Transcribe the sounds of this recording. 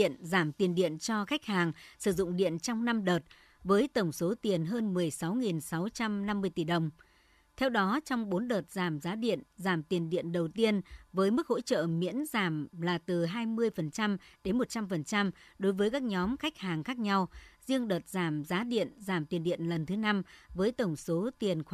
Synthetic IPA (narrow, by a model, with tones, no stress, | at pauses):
ḭ˧˨ənzaː˧˩mt̪i˨˩ənɗḭ˧˨ənt͡ɕɔ˧xa˦˥jk̟̚haː˨˩ŋsɨ˧˩zʊ̰˧˨ŋ͡mɗḭ˧˨ənt͡ɕɔ˧wŋ͡mna˧mɗəː˨˩t̚ | vəː˨˦jt̪ə˧˩wŋ͡mso˨˦t̪i˨˩ənɦəː˧nmɨ˨˩əjsa˨˦wŋi˨˩nsa˨˦wt͡ɕa˧mna˧mːɨ˧əjt̪i˧˩ɗə˨˩wŋ͡m | t̪ʰɛ˧wɗɔ˨˦t͡ɕɔ˧wŋ͡mɓo˨˦nɗəː˨˩t̚zaː˧˩mzaː˨˦ɗḭ˧˨ənzaː˧˩mt̪i˨˩ənɗḭ˧˨ənɗə˨˩wt̪i˧ənvəː˨˦jmɨ˦˥k̚ho̰˧˥t͡ɕə̰ː˧˨mḭ˧˥ənzaː˧˩mlaː˨˩t̪ɨ˨˩ɦaː˧jmɨ˧əjfə˨˩nt͡ɕa˧mɗe˨˦nmo˨˩t̚t͡ɕa˧mfə˨˩nt͡ɕa˧mɗo˨˦jvəː˨˦jkaː˦˥k̚ɲɔ˨˦mxa˦˥jk̟̚haː˨˩ŋxaː˦˥k̚ɲa˧wzi˧əŋɗəː˨˩t̚zaː˧˩mzaː˨˦ɗḭ˧˨ənzaː˧˩mt̪i˨˩ənɗḭ˧˨ənlə˨˩nt̪ʰɨ˨˦na˧mvəː˨˦jt̪ə˧˩wŋ͡mso˨˦t̪i˨˩ənx